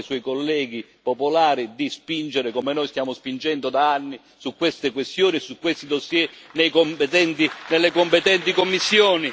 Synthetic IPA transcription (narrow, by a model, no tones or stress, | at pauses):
swɔjkolːɛːɡ̟i | popolaːɾid̪ispind͡ʒeɾekomenɔjst̪jaːmʊspind͡ʒɛnd̪ʊd̪aanːi | sukːwest̪ekwest̪joːnisukwest̪id̪osːjɛnejkompet̪ɛnt̪inelːekompet̪ɛnt̪ikomːisːjoːni